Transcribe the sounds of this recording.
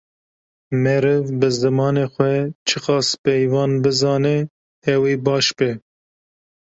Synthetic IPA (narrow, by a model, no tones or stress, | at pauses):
mɛɾɨvbɨzɨmɑːneːxʷɛt͡ʃʰɨxɑːspɛjvɑːnbɨzɑːnɛ | hɛwiːbɑːʃbɛ